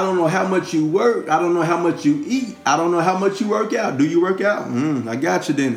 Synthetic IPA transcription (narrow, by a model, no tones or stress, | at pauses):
ɾõʊ̃nːoʊɦaʊmʌt͡ʃjɨwɜ˞kaɪɾõʊ̃nːoʊɦaʊmʌt͡ʃjɨʔit̚aɪɾõʊ̃nːoʊɦaʊmʌt͡ʃjɨwɜ˞kaʊt̚d̥ɨjɨwɜ˞kaʊt̚m̩aɪɡɑt͡ʃɨðɨ̃n